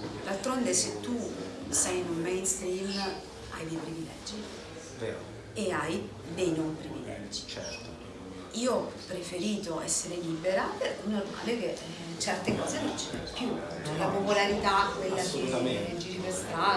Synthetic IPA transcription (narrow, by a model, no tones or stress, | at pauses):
d̪alt̪ɾond̪eset̪ːusajnummejnst̪ɾiːm | a̰jd̪ejpɾivilɛ̰d͡ʒːi | vḛːɾo̰ | eaj | d̪ejnompɾivilɛ̰d͡ʒːi̥t͡ʃɛ̰ɾt̪o | iːoɔpːɾefeɾiːt̪oɛsːeɾeliːbeɾapeɾkɛnːorma̰ːleke | t͡ʃɛrt̪ekɔːzenont͡ʃivɛpju | t͡ʃɛlapopolaɾit̪akːwelːaked͡ʒ̪iɾipest̪aː